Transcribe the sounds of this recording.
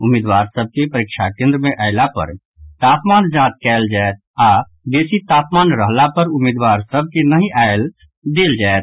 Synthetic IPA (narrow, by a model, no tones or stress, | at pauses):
ʊmːɪːd̪waːɾsəb̚kepəɾɪkʃʰakẽːnd̪ɾəmẽʔaːɪlapə̰ɾ | t̪aːpmaːnd͡ʒãːt̪̚kɛːld͡ʒaet̪̚aː | d̪eːsit̪aːpmaːnɾəɦlapəɾʊmːɪːd̪waːɾsəb̚kenəɦĩʔaɪl | d̪eːld͡ʒaːet̪